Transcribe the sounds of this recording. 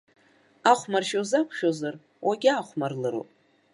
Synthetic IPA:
aχʷmarʃozakʷʰʃozar | wʔaɡʲaːχʷmarlɨɾo̰pʼ

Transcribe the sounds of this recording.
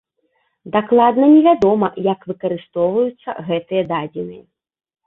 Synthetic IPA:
d̪aklˠad̪nɐnʲɛvʲad̪ɔmɐjɐkvɨkɐɾɨst̪ɔwvɐjut̪sːɐ̰ɣɛt̪ɨjɐd̪ad͡zʲinɨjɐ

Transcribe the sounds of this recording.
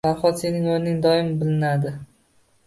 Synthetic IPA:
aɾˠχɒt̪se̞nɪŋolɪnɪŋd̪ɒɪmbɪlɪnad̪ɪ

